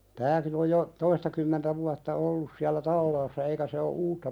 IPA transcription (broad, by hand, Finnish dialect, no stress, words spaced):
tæːkin oj jo toistɑkymːentæ ʋuɑtːɑ olːus siælːæ tɑlːɑːsːɑ eikæ se o uːtːɑ